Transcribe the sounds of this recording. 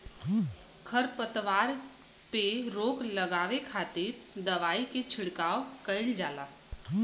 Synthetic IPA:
kʰɐɾpət̪ʋaːɾ | peɾoːkləɡaːʋekʰaːt̪ɪɾ | d̪ɐʋaːiket͡ʃʰɪɽkaːokəɪld͡ʒaːlaː

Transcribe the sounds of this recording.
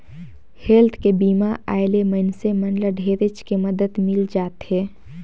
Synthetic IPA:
helt̪ʰkebiːmaa̰ːjlemənsemənləɖʱeːɾɪt͡ʃkeməd̪əd̪mɪld͡ʒaːt̪ɦeː

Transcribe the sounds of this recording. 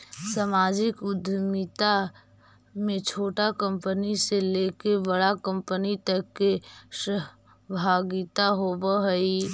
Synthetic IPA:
samaːd͡ʒɪkʊd̪ʱmɪt̪a | mẽt͡ʃʰoːʈakə̃mpəniseleːkebəɽakə̃mpənit̪əkːeʃə | bʱaːɡɪt̪aɦobəɦəi

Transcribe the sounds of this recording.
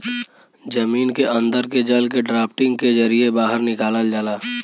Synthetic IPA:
d͡ʒəmiːnkeʔə̃nd̪əɾked͡ʒəlkeɖɾaːpʰʈɪ̃ŋɡked͡ʒəɾiebaːɦəɾnɪkaːləld͡ʒaːlaː

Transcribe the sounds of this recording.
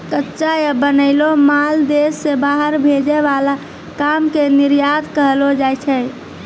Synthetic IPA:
kətːʃajabənəɪlomald̪esːebaɦəɾbʱed͡ʒeʋala | kamkeniɾjad̪kəɦlod͡ʒat͡ʃʰɛ

